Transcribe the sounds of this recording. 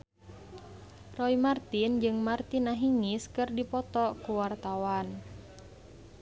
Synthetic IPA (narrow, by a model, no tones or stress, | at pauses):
rɔimart̪ind͡ʒɨŋmart̪inaɦiŋiskɨrdipɔt̪ɔkuwart̪awan